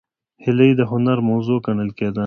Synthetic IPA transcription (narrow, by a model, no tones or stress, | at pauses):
hɪləjd̪əɦʊnaɾmɐwzoːkɐɳəlkeːd̪a